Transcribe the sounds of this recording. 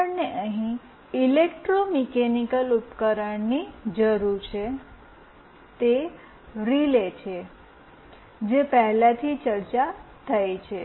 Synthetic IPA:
əɳneʔəɦĩ | ilekʈɾomɛkenikəlupkəɾəɳnid͡ʒəɾuɾt͡ʃʰe | t̪e | ɾilet͡ʃʰe | d͡ʒepəɦlat̪ʰit͡ʃəɾt͡ʃat̪ʰəjet͡ʃʰe

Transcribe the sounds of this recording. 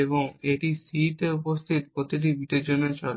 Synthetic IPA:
eβoŋeʈisiʈ̪eupost̪ʰit̪̚pɾot̪iʈ̬ibit̪ed͡ʑonet͡ɕɔl

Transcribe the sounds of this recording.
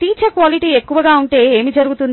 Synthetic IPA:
t̪iːt͡ʃɐkʋaːliʈiːe̞kːuʋɐɡaːuɳʈe̞ːeːmid͡ʒɐɾuɡut̪un

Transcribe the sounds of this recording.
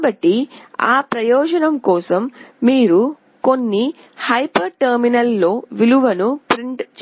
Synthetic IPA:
bɐʈːia̰ːpɾɐjɔːd͡ʒɐnɐmkɔːsɐmːiːɾu | ko̞nːi | hɐjpɐɾʈɐɾminɐlːo̞ːʋiluʋɐnupɾiɳʈt͡ʃ

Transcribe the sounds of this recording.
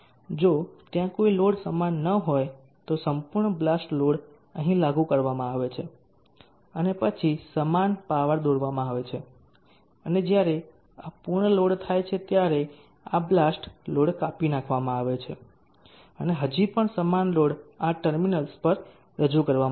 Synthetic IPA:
d͡ʒot̪jãkoiloɽsəmanːəɦoj | t̪osəmpuɾɳəblasʈloɽ | ə̃ɦĩlaɡũkəɾʋamãaʋet͡ʃʰe | ənepət͡ʃʰisəmanpaʋəɾd̪oɾʋamãaʋet͡ʃʰe | əned͡ʒjaɾe | apuɾɳəloɽt̪ʰajt͡ʃʰet̪jaɾe | ablasʈloɽkapinãkʰʋamãaʋet͡ʃʰḛ | əneɦəd͡ʒipəɳsəmanloɽaʈəɾminəlspəɾ | ɾəd͡ʒukəɾʋam

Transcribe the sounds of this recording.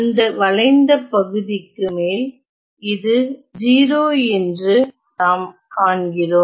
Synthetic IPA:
ɐnd̪ɐʋɐlɐɪnd̪ɐpɐɣɯðɪkːɯmeːl | ɪðɯd͡ʒiːɾoːɛndrɯ | naːm | kaːɳɡɪroːm

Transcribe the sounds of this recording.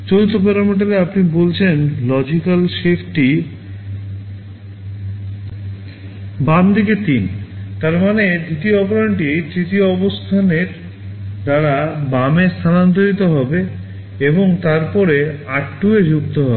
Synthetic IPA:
d͡ʑoɾut̪ːopɛɾameʈ̬aɾeapnibolt͡ɕʰenlɔd͡ʑikalʃefʈi | bamd̪iket̪int̪aɾmaned̪it̪ioɔpoɾanʈit̪ɾit̪ioɔbost̪ʰaneɾ | d̪aɾabamest̪ʰanant̪̬oɾit̪oɦɔbe | eboŋt̪aɾpɔɾeaʈːued͡ʑukt̪oɦɔbe

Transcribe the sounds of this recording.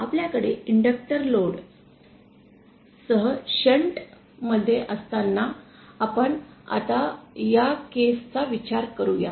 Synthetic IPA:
apljakəɽeiɳɖək̚ʈəɾloɽ | səɦəɕəɳʈ | məd̪ʱːjeʔəst̪anːa | apəɳa̰t̪ajakest͡saʋit͡ɕaɾkəɾuja̰

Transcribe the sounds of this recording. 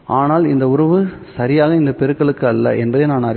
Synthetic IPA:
ʔaːnaːlɪnd̪ɐʊɾɐʋɯsɐɾɪjaːɣɐɪnd̪ɐpɛɾɯkːɐɭɯkːɯɐlːɐ̰ʔɛnbɐðeːnaːnaɾ

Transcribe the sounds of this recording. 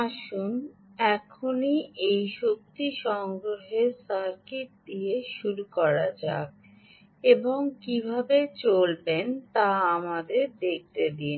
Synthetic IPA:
aʃunɛkʰoniejʃok̚t̪iʃɔŋɡɾoɦeɾsaɾkit̪̚d̪ieʃuɾukɔɾad͡ʑa̰k̚ | eboŋkibʱabet͡ɕolbent̪aamad̪eɾd̪ek̚t̪ed̪in

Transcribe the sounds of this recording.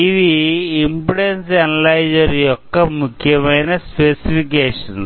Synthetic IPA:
iðiːmpuɽensɐnɐlɐjd͡ʑɐɾijɔkːɐmukʰjɐmɐjnɐspesifik̬eːʂɐn

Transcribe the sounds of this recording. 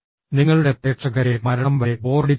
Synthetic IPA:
niŋːɐɭuɽe̞p̪eːʈʂɐɣɐɾemɐɾɐɳɐmʋɐɾebo̞ːrɖi

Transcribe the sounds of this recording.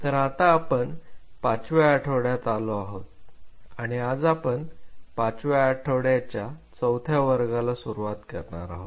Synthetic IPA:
t̪əɾat̪aːpəɳpat͡sʋeaʈʰəwɽjat̪alɔaɦot̪̚aɽ̃iad͡zapəɳpat͡sʋeaʈʰəwɽjat͡ɕjat͡səwt̪ʰjaʋəɾɡalasuɾuʋat̪kəɾɳa̰ɾaɦot̪

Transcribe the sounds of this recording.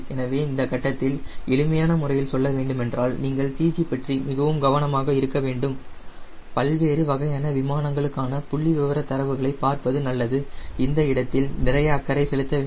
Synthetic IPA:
ɛnɐʋeːɪnd̪ɐkɐʈːɐt̪ːɪlɛɭɯmɐjaːnɐmʊrɐjɪlsɔlːɐʋeːɳɖɯmɛndraːlniːŋɡɐɭsiːsipɐʈrimɪɣɐʋɯmɡɐʋɐnɐmaːɣɐɪɾɯkːɐʋeːɳɖɯm | pɐlʋeːɾɯʋɐɣɐjaːnɐʋɪmaːnɐŋɡɐɭɯkːaːnɐpʊɭːiʋɪʋɐɾɐt̪ɐɾɐʋɯɣɐɭɐɪpːaːɾpɐðɯnɐlːɐðɯɪnd̪ɐɪɽɐt̪ːɪlnɪrɐjɐːkːɐɾɐɪsɛɭɯt̪ːɐ

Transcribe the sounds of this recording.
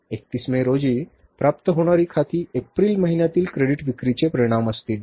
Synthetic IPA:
ek̚t̪ismeɾod͡ziː | pɾapt̪əɦoɽ̃aɾiːkʰat̪iːepɾiːlməɦinjat̪iːlkɾeɽiʈʋikɾit͡ɕepɾəɾiɽ̃aməst̪iːl

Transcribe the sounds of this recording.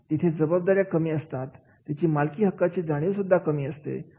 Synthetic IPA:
t̪it̪ʰed͡zəbəb̚d̪aɾjakəmiːəst̪at̪ː | jat͡ɕiːmalkiːɦəkːat͡ɕiːd͡zaɽ̃iːwsud̪ʱːakəmiːəst̪ḛ

